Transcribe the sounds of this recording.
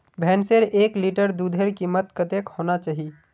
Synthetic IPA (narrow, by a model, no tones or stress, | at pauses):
bʱɛːnseɾeːkliʈəɾd̪uːd̪ʱeɾkimət̪kət̪eːkhoːnat͡ʃaːɦi